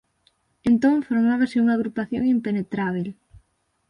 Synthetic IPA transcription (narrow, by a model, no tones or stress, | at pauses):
ent̪oŋfoɾmaβasɪuŋaɣɾupaθjo̰ŋimpenet̪ɾaβ̞el